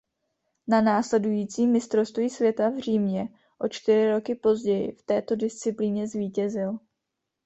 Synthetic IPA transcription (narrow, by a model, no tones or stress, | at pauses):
nanaːslɛdujiːt͡siːmːɪst̪ɾo̞st̪viisvjɛt̪avr̝iːmɲɛ | ʔo̞t͡ʃt̪ɪɾɪɾo̞kɪpo̞zɟɛjɪ̰ft̪ɛːt̪o̞dɪst͡sɪpliɲɛzviːcɛzɪl